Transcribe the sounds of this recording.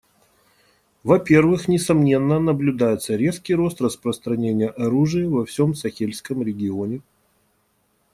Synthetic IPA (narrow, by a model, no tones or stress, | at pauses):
vɐpʲe̞rvɨxnʲɪsɐmnʲe̞nːənəblʲʉd̪ajɪt̪səɾʲe̞skʲɪjɾo̞st̪rəspɾəst̪ɾɐnʲenʲɪjəʔɐɾuʐɨjɪvɐfsʲo̞msɐxʲelʲskəmɾʲɪɡʲɪonʲɪ